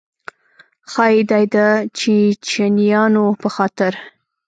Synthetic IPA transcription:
xɑjid̪ɑjd̪at͡ʃit͡ʃanijɑnopəxɑt̪ɪɾ

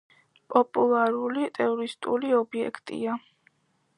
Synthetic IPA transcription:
pʼɔpʼulˠaɾulit̪ʼɛɔɾist̪ʼuliɔbiɛ̰kʰt̪ʼḭa

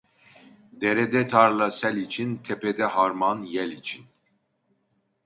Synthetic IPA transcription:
d̪ɛɾɛd̪ɛt̪ʰaɾlasɛlit͡ʃʰint̪ʰɛpʰɛd̪ɛɦaɾmanjɛlit͡ʃʰin

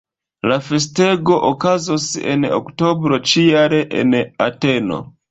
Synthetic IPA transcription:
lafe̞s̬te̞ɡo̞ʔokazosḛno̰kto̞bɾo̞t͡ʃijaɾe̞ʔḛnate̞no̞̰

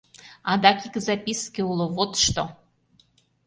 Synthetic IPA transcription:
ɑd̪ɑkikzapʲiskʲiulˠovot̪ʃt̪o

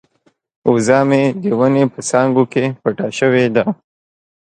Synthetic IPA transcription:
uzɑːmed̪ewənepəsɑŋɡokepaʈaʃəwed̪a

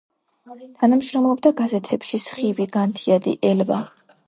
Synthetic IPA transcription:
t̪ʰanamʃɾɔmlˠɔbd̪aɡazɛt̪ʰɛpʃisχiviɡant̪ʰiad̪ḭʔɛlva

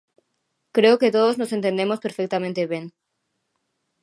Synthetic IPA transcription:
kɾeoket̪oðoznosent̪end̪emospeɾfek̚t̪amẽnt̪eβẽŋ

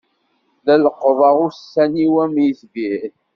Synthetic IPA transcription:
ðæləqːðˤɑʁʊsːæniwæmjisɡi

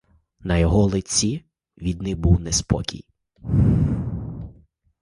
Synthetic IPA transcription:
nɐjɔɦɔlˠɪt͡sʲi | ʋʲid̪nɪbuwnɛspɔ̰kʲḭj

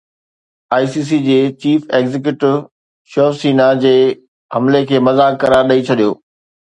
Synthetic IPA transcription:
aːisiːs̬id͡ʑeːt͡ɕiːfeːɡzɪk̬juʈɪʋ | ʃɔːsiːnad͡ʑeː | hɐmlekʰeːmɐzaːkːɐɾaːɾɗɐit͡ɕʰɐɗijo̰ː

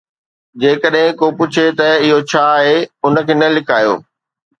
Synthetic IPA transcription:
d͡ʑeːkəɗɦɪ̃kopʊt͡ɕʰet̪ɐɪɦot͡ɕʰaːɦeʊnə̆kʰeːnɐlɪkʰaːjo̰ː

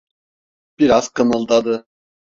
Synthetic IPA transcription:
b̥iɾazkʰɯnɯlˠd̪ad̪ɯ

